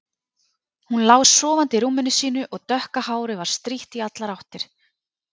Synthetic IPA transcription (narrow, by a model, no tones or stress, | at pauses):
hunlawsɔːvant̪ɪɾuːmːɪnʏsiːnʏʔɔɣt̪œhkahaːwɾɪvaɾ̥st̪ɾiht̪iat̪laɾawht̪ɪɾ̥